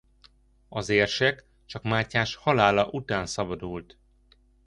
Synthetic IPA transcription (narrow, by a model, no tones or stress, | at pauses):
ɒzeːrʃɛk | t͡ʃɒkmaːcːaːʃhɒlaːlɒʔut̪aːnsɒbɒd̪ult̪